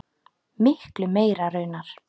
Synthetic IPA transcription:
mɪhklʏmeːjɾaɾœːɥnaɾ̥

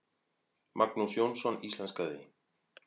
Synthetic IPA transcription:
mʔaknusjonsonislanskaðḭ

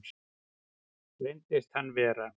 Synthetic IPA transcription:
lejnt̪ɪst̪hanːvɛːɾa

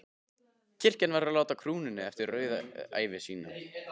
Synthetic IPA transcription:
cʰɪr̥cɪnvaɾaðlaːwt̪akʰɾuːnʏnːɪɛft̪ɪɾːœːɥða̰a̰ːjvɪsiːnʏm

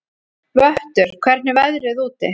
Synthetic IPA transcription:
vœht̪ʏɾ̥kʰvɛr̥t̪nɪvɛðɾɪðuːt̪ɪ

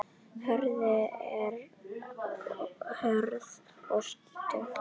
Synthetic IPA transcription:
hœɾðʏɛɾ | hœɾð | ɔst̪t̪ɪ

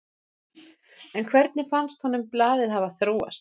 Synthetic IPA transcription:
ɛnkʰvɛɾt̪̚nɪfanst̪hɔnʏmplaːðɪðhavaθɾoːwa̰st̪̚

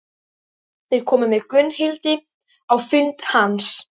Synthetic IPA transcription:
θɪɾkʰɔməmekʰʏnhɪlt̪i | awfʏnt̪hans

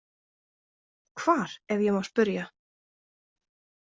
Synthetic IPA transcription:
kʰvaːɾ̥ɛvðjɛmawspʏɾja

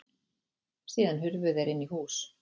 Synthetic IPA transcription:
siːðanɦʏɾvʏðɛɾɪnːihuːs

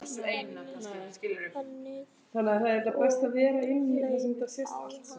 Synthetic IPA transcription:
ejnascɪːlɛɣʏm | θanːɪaθaðɛɾt̪apɛst̪aðvɛːɾaɪnːiθasɛmɛt̪ːasjɛst̪al̥t̪

